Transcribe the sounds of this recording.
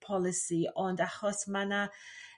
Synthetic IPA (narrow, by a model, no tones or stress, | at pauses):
pʰɔlˠɪsiɔndaχɔsmana